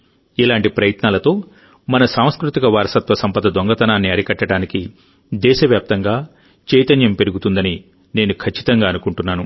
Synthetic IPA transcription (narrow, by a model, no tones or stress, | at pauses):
ilaːɳʈipɾɐjɐt̪naːlɐt̪o̞ː | mɐnɐsaːm̃skɾut̪ikɐʋaːɾɐsɐt̪ʋɐsɐmpɐd̪ɐd̪oŋɡɐt̪ɐnaːnːiɐɽikɐʈːɐɽaːniki | d̪ɛːʃɐʋjaːp̚t̪ɐŋɡaː | t͡ʃɛːjt̪ɐnjɐmpeɾuɡut̪und̪ɐni | neːnukʰɐt͡ʃːi̥t̪ɐŋɡaːɐnukuɳʈunːaːnu